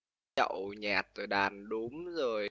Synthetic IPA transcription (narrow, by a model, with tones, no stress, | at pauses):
ə̰˧˩˨wɲaː˨˩t̚zo˨˩jɗaː˨˩nɗu˨˦mzo˨˩j